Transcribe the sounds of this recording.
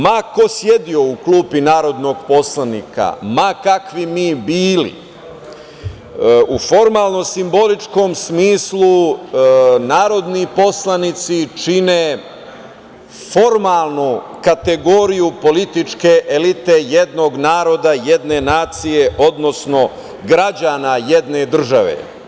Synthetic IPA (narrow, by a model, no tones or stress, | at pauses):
mako̞sje̞d̪io̞ukluːpinaːɾo̞d̪no̞ɡpo̞slˠanḭːka̰makakʋimiːbiːlḭ | ufo̞ɾmaːlˠno̞simbo̞lit͡ʃko̞msmiːslˠu | naːɾo̞d̪nipo̞slˠanit̪sit͡ʃine | fo̞ɾmaːlˠnu | kat̪e̞ɡo̞ɾijupo̞lit̪it͡ʂkeʔelit̪e̞jed̪no̞ːɡnaːɾo̞d̪ajed̪ne̞naːt̪sije̞ʔod̪no̞sno̞ | ɡɾad͡ʑaːnajed̪ne̞d̪r̩ʒaʋḛ